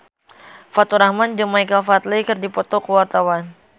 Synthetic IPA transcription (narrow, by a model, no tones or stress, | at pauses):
fat̪uɾahmand͡ʒəmajkəlfat̪likɨrdipɔt̪ɔkəwart̪awan